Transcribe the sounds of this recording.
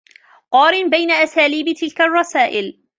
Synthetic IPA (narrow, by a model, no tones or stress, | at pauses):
qɑːɾɪnbajnaʔasaːliːbt̪ɪlkarˤːɑsaːʔɪl